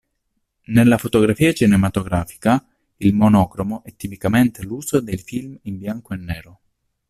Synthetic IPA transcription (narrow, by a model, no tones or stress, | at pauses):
nelːafot̪oɡɾafiːat͡ʃinemat̪oɡɾaːfi̥ka | ilmonɔːkɾomoʔɛt̪ːipikament̪eluːzod̪elfilmimbjaŋkoenːɛːɾo